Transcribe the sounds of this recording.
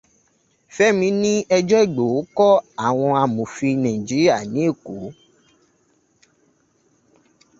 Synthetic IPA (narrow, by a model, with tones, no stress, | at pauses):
fɛ˦mĩ˧˦nĩ˦ɛ˧d͡ʒɔ˦i˦˨ɡ͡bo˨o˨˦kɔ˦a˦˨w̃ɔ̃˧a˧mũ˨fi˧nã˨ĩ˨d͡ʒi˨˦i˦a˦˨nĩ˨˦e˦˨ku˨˦